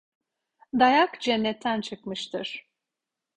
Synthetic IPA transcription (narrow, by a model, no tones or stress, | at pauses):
d̪ajakd͡ʒɛnːɛt̪ʰːænt͡ʃʰɯkmɯʃt̪ʰɯɾ̥